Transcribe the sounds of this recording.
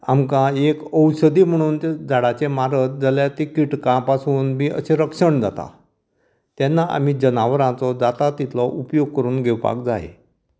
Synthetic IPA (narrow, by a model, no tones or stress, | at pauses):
amkãekəwsəd̪iːm̤əɽ̃uːnt̪ed͡zʱaɽat͡semaɾət̪̚d͡zəljat̪ikiʈkãpasuːnbiːʔə̰seɾəkʂəɳd͡zat̪a̰ | t̪jɛnːaʔa̰m̤id͡ʑənaʋɾãt͡sɔd͡zat̪at̪it̪ʰlɔʔupjoɡ̚kəɾuːnɡʱewpa̰k̚d͡zaḛ